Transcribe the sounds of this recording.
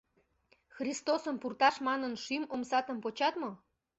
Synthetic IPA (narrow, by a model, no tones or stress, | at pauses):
xrist̪osəmpurt̪ɑʃmɑnənʃymomsɑt̪əmpot͡ɕɑt̪mo